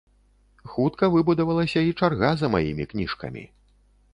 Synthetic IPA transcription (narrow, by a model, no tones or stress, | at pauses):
xut̪kɐvɨbud̪ɐvɐlˠɐsʲɐit͡ʂarɣazɐma̰jimʲiknʲiʂkɐ̰mʲḭ